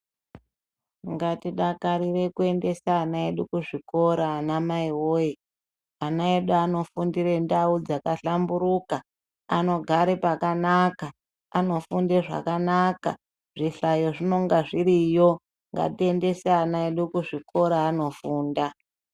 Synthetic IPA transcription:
ŋɡatiɗakaɾire̞kue̞nde̞saːnaeɗukuʐiko̞ɾaːnamaiwoe | anaeɗuano̞fundire̞ndaud͡zakaɬambuɾuka | ano̞ɡʱaɾe̞pakanaka | ano̞fundeʐa̰kanaka̰ | ʐiɬajo̞ʐino̞ŋɡaʐiɾijo̞ | ŋɡa̰tie̞nde̞seanaeɗukuʐiko̞ɾaːno̞fuːnda

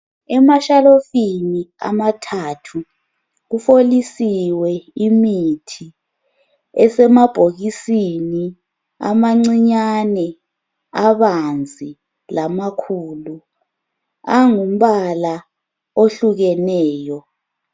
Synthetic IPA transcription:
ɛmaʃalofinia̰matʰatʰu | ɣufolisiwɛimitʰi | ɛsɛmab̥ʱoɣisini | a̰maŋ͡ǀiɲanɛ | aβand͡zʱi | lamakʰuːlu | aŋum̩βala | oɬuɣɛnɛːjɔ

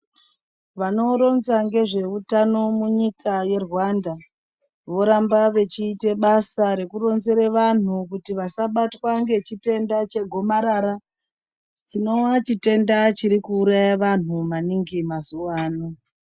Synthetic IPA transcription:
ʋano̞ɾo̞nzaŋɡe̞ʐe̞utano̞muɲikʰaje̞rwanda | ʋo̞ɾambaʋe̞t͡ʃiːte̞ɓasaɾe̞kuro̞nze̞ɾeʋan̤ukutiʋasaɓatwaŋɡe̞t͡ʃite̞ndat͡ʃe̞ɡʱo̞maɾaɾa | t͡ʃino̞nat͡ʃite̞ndat͡ʃiɾikuːɾajaʋan̤umaniŋɡimazuwaːno

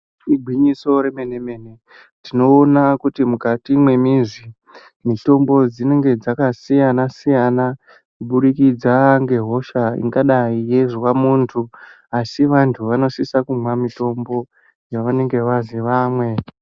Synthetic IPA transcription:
iɡʱwiɲiso̞ɾe̞me̞ne̞me̞ne̞ | tino̞ːnakutimukatimwe̞mizi | mito̞mbo̞d͡zine̞ŋɡe̞d͡zakasijanasijana | kuɓuɗikid͡zaŋɡe̞ɦo̞ʃaḭŋɡaɗaije̞ʐwamuntʰu | asiʋantʰuʋano̞sisakumwamito̞mbo̞ | jaʋane̞ŋɡe̞ʋaziʋamwe̞

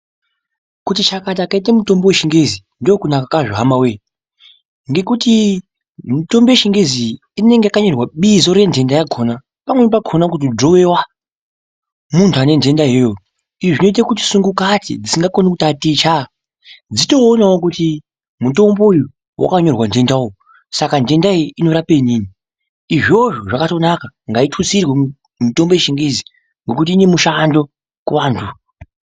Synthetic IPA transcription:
kutit͡ʃakat̬aːkait̬amuto̞mbeweʃiŋɡezi | ndokunakakaʐoɦamawe | ŋɡe̞kuti | muto̞mbeeʃiŋɡeziː | ne̞ŋɡeakaɲo̞rwaɓizo̞ɾe̞ndʱe̞ndajaɡʱʰona | pamwenp̬akʰonakut̬id͡ʒowewa | muntʰuane̞nde̞ndaɦejo | iʐʐino̞it̬akut̬i̥suŋɡukatḭd͡zisiŋɡakonekutatit͡ʃa | d͡zito̞ːnaok̬uti | muto̞mbo̞uju | wʔa̰kaɲo̞rwand͡ʒe̞ndaojo | sakand͡ʒe̞ndaijʔino̞ɾapeɲiːni | iʐoʐoʐakato̞nakaŋɡaitʰut͡sirwe | mito̞mboeʃiŋɡizi | ŋɡokutiːne̞muʃando̞ | kuwaːntʰu

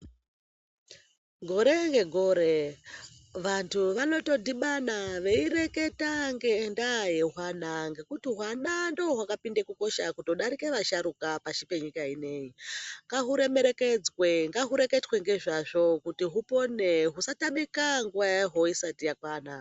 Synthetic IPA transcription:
ɡʱoɾeŋɡe̞ɡʱoɾe | ʋantʰuʋano̞to̞diɓanaʋe̞ire̞ke̞taŋɡendajeɦwanaŋɡe̞kutiɦwanandooɦwakapindekuko̞ʃakutoɗaɾike̞ʋaʃaɾukapaʃipe̞ɲikaine̞iŋɡaɦuɾe̞me̞ɾe̞ked͡zweŋɡaɦuɾe̞ke̞tweŋɡe̞ʐaʐo̞kutiɦupo̞ne̞ɦusataɓikaŋɡuʋajaɦo̞isatijakwaːna

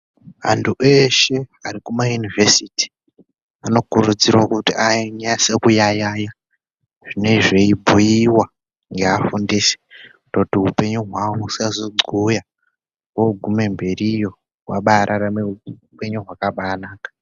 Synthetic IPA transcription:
a̰ntʰuʔe̞ʃe̞arikumajunivesiti̥ | ano̞kuɾud͡zirwakutiaiɲajase̞kujajaja | ʐ̥ine̞ʐe̞ibʱujiwa | ŋɡeafundise̥utotiɦupe̞ɲuɦwawousazoɡ͡ǀuja | woɡʱume̞mbe̞rijo̞ | wa̰ɓaɾʔaɾameupe̞ɲuɦwakaɓaːnaːkḁ

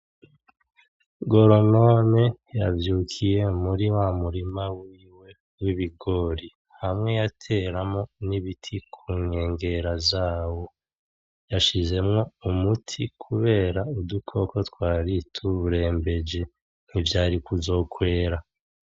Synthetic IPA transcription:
ɡo̞ɾo̞no̞me̞ | javjuːkʰije̞muɾiwamuɾimawiːwe̞ | wiβiɡo̞ːɾi | hamŋe̞jatʰe̞ːɾamo̞niβitʰikʰuːɲe̞ːŋɡe̞ɾazaːwo̞ | jaʃize̞mŋo̞umutʰikʰuβe̞ːɾaudukʰo̞ko̞twaːɾitʰuβuɾe̞ːmbe̞d͡ʒe̞ | n̥ivjaːɾikuzo̞ːkwe̞ːɾa

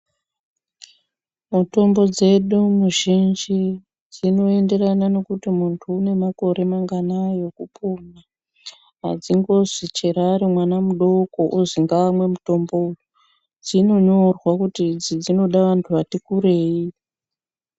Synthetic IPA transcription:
muto̞mbo̞d͡ze̞ɗumuʒind͡ʒi | d͡zino̞e̞nde̞ranane̞kutimuntʰuːne̞mako̞ɾe̞maŋɡanajo̞kupuma | ɦa̰d͡ziŋɡo̞ʐit͡ʃeɾaːɾimwanamuɗo̞ko̞ʔuziŋɡaːmwe̞muto̞mbo̞uju | d͡zino̞ɲo̞rwakutid͡zid͡zino̞ɗaʋantʰuʋatikuɾe̞ːi

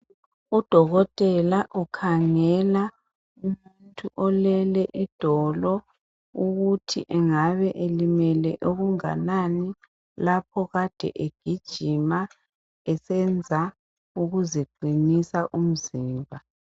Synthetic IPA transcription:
ud̥ʱɔɣɔtʼɛlaʔukʰaŋɛla | umuntʰʼuʔɔlɛlɛʔid̥ʱɔlɔ | uɣutʰḭʔɛŋaβɛʔelimɛlɛʔoɣuŋa̰nani | lapʰɔɣad̥ʱɛ̰ʔeɡ̥ʱid̥ʒ̥ʱima | ɛsɛnd͡zʱa | uɣuzeɡ͡ǃʱinisaʔum̩ziːmbʱa

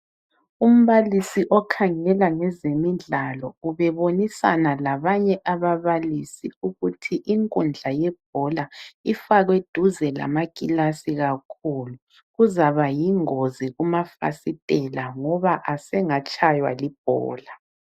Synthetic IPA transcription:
um̩βalisiʔɔkʰaŋɛlaŋɛzemiɮalɔuβɛβonisa̰nalaβaɲɛʔaβaβalisiuɣutʰiʔiŋkʼund͡ɮʱajɛb̥̚ʱɔlaifaɣwed̥ʱuzɛla̰maɡ̥ʱilasiɣakʰulu | ɣuzaβajiŋoziɣumafa̰sitʼɛlaŋɔβaʔasɛŋat͡ʃʼʰajwa̰lib̥̚ʱɔ̰ːla

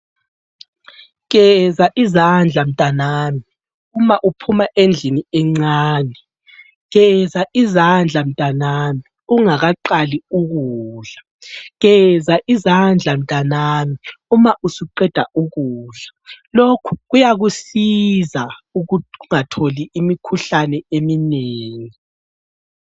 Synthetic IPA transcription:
ɣɛzaʔizand͡ɮʱam̩tʼanaːmi | umaʔupʰumaʔend͡ɮʱiniɛŋ͡ǀaːnɛ | ɣɛzaʔizand͡ɮʱam̩tʼanami | uŋaɣaǃaliuɣuːɮḁ | ɣɛzaʔizand͡ɮʱam̩tʼanaːmiumaʔusuǃɛd̥ʱaʔuɣuːɮalokʰu̥ɣujaɣusizauuuŋatʰoliʔːmikʰuɬanɛemineːŋi

